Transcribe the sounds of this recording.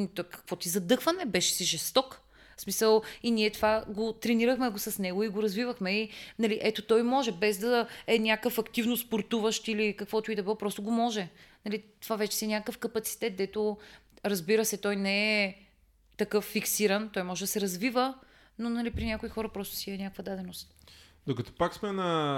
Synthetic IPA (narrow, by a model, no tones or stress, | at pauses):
t̪ɔkɐ̥kvɔt̪izɐd̪ɤxvənɛbɛʃɛ̥siʒɛst̪ɔk | smisəlˠinʲiɛt̪ovaɡot̪ɾɛniɾəxmɛɡosɐsnɛɡoiɡoɾɐzvivəxmɛinɐliʔɛt̪ot̪ɔjmɔʒɛbɛzd̪ɐɛnʲakəfɐkt̪ivnospoɾt̪uvəʃt̪ilikɐkvɔt̪oʊid̪ɐbɛɔpɾɔst̪oɡomɔʒɛnɐlit̪ovavɛt͡ʃɛ̥siɛnʲakəkəfkɐpɐt̪si̥t̪ɛt̪̚d̪ɛt̪o | ɾɐzbiɾəsɛt̪ɔjnɛɛ | t̪ɐkɤfːiksiɾənt̪ɔjmɔʒɛd̪ɐsɛɾɐzvivə | nonɐlipɾinʲjakoixɔɾəpɾɔst̪ʊ̥siɛnʲakəkvɐd̪ad̪ɛnost̪ | d̪okɐt̪oɔ̥paksmɛnɐ